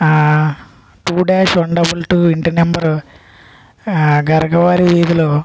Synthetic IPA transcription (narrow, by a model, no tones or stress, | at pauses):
ʈuːɖeːsɐɳɖɐbulʈuːiɳʈinembɐɾ | ɡɐɾɐɡɐʋaːɾiʋiːd̪ulu